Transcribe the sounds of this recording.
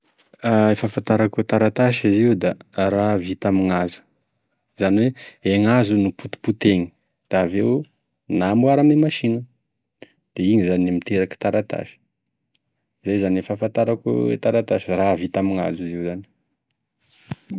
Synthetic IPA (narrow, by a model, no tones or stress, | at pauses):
aefafant̪aɾakut̪aɾat̪aʃiziud̪aravit̪amiŋazu̥ | z̥aniweeŋazunuput̪u̥put̪eŋi̥ | d̪̥aːvew | nambwaɾamemaʃinə | d̪̥eiɲizanimit̪eɾaki̥t̪aɾat̪a̰ʃi̥ | zajzanefafant̪aɾakṵḛt̪aɾat̪aʃiravit̪amiŋa̰zuiziwzani̥